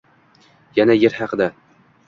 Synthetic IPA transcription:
janajeɾhɑqɨd̪a

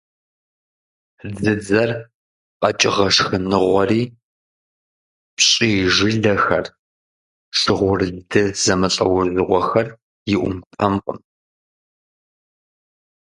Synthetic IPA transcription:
d͡zɨd͡zɐr | qʼɐt͡ʃʼɪʁɐʂxɨnɨʁʷɔriː | pɕʼiːʒɨɮɐxɐr | ʂɨʁʷʊrzdʰɨzɐmɐɬʼɐwʊzɨʁʷɔxɐr | jɪʔʷʊ̰mtʰɐmqʼə̰m

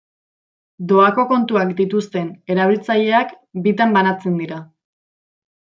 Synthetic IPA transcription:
d̪o̞ako̞ko̞nt̪uakd̪it̪ust̪e̞ne̞ɾaβ̞ilt͡saʎe̞ak | bit̪ambanat͡send̪iɾa

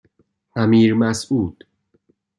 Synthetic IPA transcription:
ʔæmiːɾmæsuːd̪̥

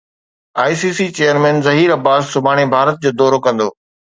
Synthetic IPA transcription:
aːisiːsit͡ɕeːjəɾmɛ̃ːnzɐɦiːɾɐbaːzsʊbʱaːɽ̃ebʱaːɾət̪̚d͡ʑoːd̪ɔːɾokɐ̃nd̪oː

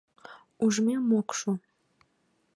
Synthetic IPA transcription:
uʒmemokʃu

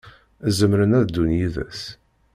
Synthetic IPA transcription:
zəmɾənæðd̪unjiðæ̰s

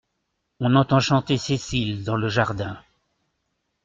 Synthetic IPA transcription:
ɔ̃nɑ̃t̪ɑ̃ʃɑ̃t̪esesild̪ɑ̃ləʒaʁd̪ɛ̃

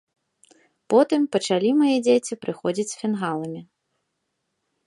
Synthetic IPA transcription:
pɔt̪ɨmpɐt͡ʂalʲimajɛd͡zʲet͡sʲipɾɨxɔd͡zʲit͡sʲfʲɛnɣalˠɐmʲi

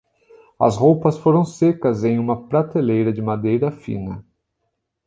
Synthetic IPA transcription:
ɐ̰sɦowpɐsfoɾɐ̃w̃sekɐzẽj̃ũmɐpɾat̪elejɾɐd͡ʒɪmad̪ejɾɐfḭ̃nɐ

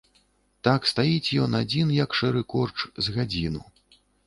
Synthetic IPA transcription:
t̪akst̪ajit͡sʲjɔnad͡zʲinjɐkʂɛɾɨkɔrt͡ʂzɣad͡zʲinṵ

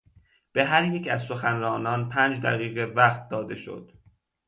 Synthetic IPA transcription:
b̥e̞ɦæɾjecʰæzso̞xænɾɒːnɒːnpʰæːnd͡ʒd̪æ̰ɣiːɣevæχt̪̚d̪ɒːd̪e̞ʃo̞̰d̪̥

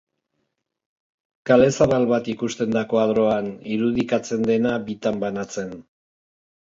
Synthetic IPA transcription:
kale̞saβalβat̪ikust̪e̞nd̪ako̞aðɾo̞aniɾuð̞ikat͡se̞nd̪e̞nabit̪ambanat͡se̞n

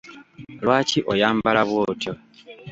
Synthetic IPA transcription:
lwaːciʔojaːmbalaβwoːtjo

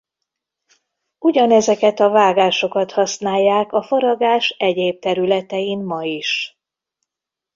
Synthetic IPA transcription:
uɟɒnɛzɛkɛt̪ɒvaːɡaːʃo̞kɒt̪hɒsnaːjːaːkɒfoɾɒɡaːʃɛɟeːb̚t̪ɛɾylɛt̪ɛimmɒiʃ

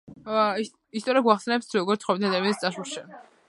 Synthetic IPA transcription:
i | ist̪ʼɔɾiaɡwaχsɛnɛp̚t̪ʰɾɔɡɔɾt̪sχɔmid̪ʰaad̪amianst̪sʼaʃuʃɛ

